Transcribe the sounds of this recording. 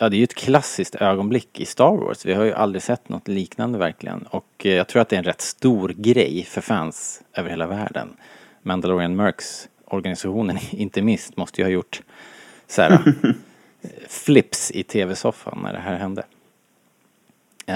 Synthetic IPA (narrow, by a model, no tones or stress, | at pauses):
jɑːd̪ɛæjɵɛt̪kʰlasːɪst̪øːɡɔnblɪkːɪ̰st̪ɑːɾwɔ̰ːsvɪhaɾjɵʔa̰ld̪ɾɪsɛt̪ːnɔ̰t̪liːknand̪əvæɾklɪ̰ɡə̰nɔkjɑːɡ̚t̪ʰɾuːɾat̪d̪ɛɾɛnɾɛt̪ːst̪uːɾɡɾɛjfœɾfænsøːvəɾheːlavæːɖə̰n | mænd̪alɔɾɪanmœɾks | ɔɾɡanɪsaɧuːnənɪnt̪əmɪnst̪mɔst̪əjəhɑːjʊʈː | sæ̰ːɾa̰ | flɪpsɪt̪ʰeːvɛsɔfːa̰nʔæ̰ɖɛ̰ɦæːɾɦɛnd̪ə̰